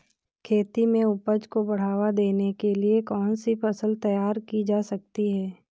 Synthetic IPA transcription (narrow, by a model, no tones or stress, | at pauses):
kʰeːt̪imẽʊpəd͡ʒkobɐɽ̤aːʋad̪eːnekeliekɔːnsipʰɐsəlt̪ɐjaːɾkid͡ʒaːsɐk̚t̪iɦɛː